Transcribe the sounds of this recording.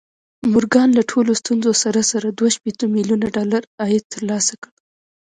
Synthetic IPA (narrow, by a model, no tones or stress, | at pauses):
mʊɾɡɑnlaʈʰolost̪unzosaɾasaɾad̪waʃpet̪əmiljunaɖɑlaɾɑjɪd̪̚t̪ːəɾlɑsakəɽ